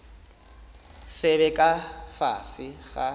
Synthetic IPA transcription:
sɛβɛkʼafa̰sɪɣa

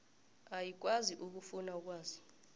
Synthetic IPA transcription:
ajik̬ʼwaziʔuk̬ufunauk̬waːzi

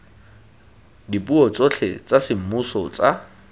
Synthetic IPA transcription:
dipuɔt͡sot͡ɬʰḛt͡sʼasɪm̩musɔt͡sa

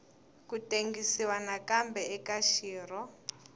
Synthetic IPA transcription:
kuteŋɡisiwanakambɛɛkaʃiːrɔ

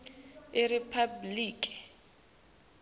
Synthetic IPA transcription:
ɪripʰabliːkʼi̥

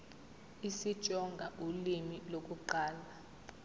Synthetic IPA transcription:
isid̥ʒ̥ʼʱɔŋɡʱaʔulimilok̬ʼuǃaːla

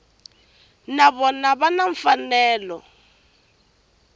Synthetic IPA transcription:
naβɔnaβanaɱ̩fanɛːlɔ

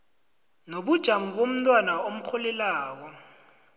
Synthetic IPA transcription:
noɓud̥ʒ̥ʱaŋuɓom̩tʼwanaom̩k͡xʰɔlɛlaːk̬ɔ

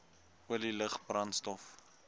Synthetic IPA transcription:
uəliləχbrɐntstɔf

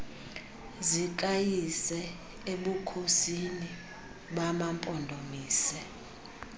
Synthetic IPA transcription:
zik̬ʼajisɛ | eɓukʰosini | ɓamampʼɔndʱomiːsɛ

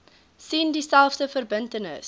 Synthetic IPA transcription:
sindisælˠfdəfərbəntənə̰s

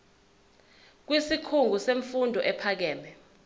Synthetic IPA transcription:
k̬wisikʰuŋɡuseɱfundʱɔʔɛpʰak̬ɛːmbɛ

